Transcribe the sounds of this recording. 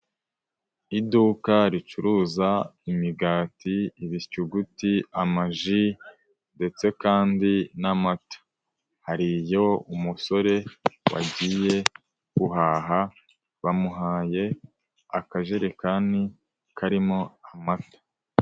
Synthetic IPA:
idukaɾit͡ʃuɾuːzaimiɡaːtiiβicuɡutiamaʒi | nde̞t͡se̞kaːndinamatḁ | haɾijo̞umuso̞ɾe̞wa̰ɟije̞ | kuɦaːɦa | βamuɦaːje̞ | akaʒe̞ɾekani | kʰaɾimo̞amatḁ

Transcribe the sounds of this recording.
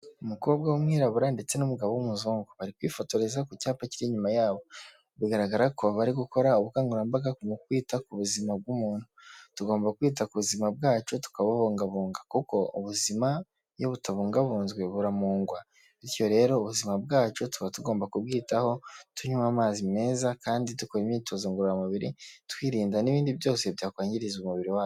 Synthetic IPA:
umukoβobɡawomŋiːɾaβuɾande̞t͡se̞numuɡaβowumuzoːŋɡoβaɾikwiːfotoɾe̞zakucaːpaciɾiɲumajaːβo̞ | βiɡaɾaɡaɾakoβaɾiɡuko̞ɾauβukaːŋɡuɾambaɡakumukwiːtakuβuzimab̚ɡumuːnhu̥tuɡo̞ːmbakwiːt̬akuβuzimab̚ɡaːt͡ʃo̞tu̥kaβaβuːŋɡaβuːŋɡakuko̞uβuzima | jo̞βutʰaβuːŋɡaβuːnzɡwe̞βuɾamuːŋɡwa | βiɾjo̞ɾe̞ːɾo̞ːβuzimabɡaːt͡ʃo̞tu̥βatuɡo̞ːmbakubɡiːtaho̞tʰuɲuamaːzime̞ːzakaːnditukoɾimɲiːtʰo̞zoŋɡoɾamaβiɾḭtwiːɾiːndaniβiːndiβjo̞ːse̞βjaːkwaːɲɟiɾizumuβiɾiwaːjo

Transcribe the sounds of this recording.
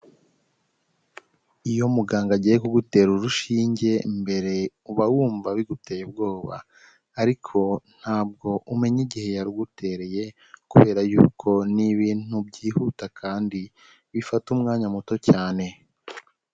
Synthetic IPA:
ijo̞muɡaːŋɡaɟijekuɡute̞ːɾuɾuʃiːɲɟe̞mbe̞ɾe̞ | uβawuːɱvaβiɡute̞ːjebɡo̞ːβa̰ː | ɾikʰo̞n̥haːb̚ɡo̞ʔume̞ɲiɟihe̞jaɾuɡutʰe̞ːɾe̞je̞ | kuβe̞ːɾajṵkʰo̞niβiːn̥ubɟiːhutakʰaːndi | βifatumŋaːɲamuto̞caːne̞

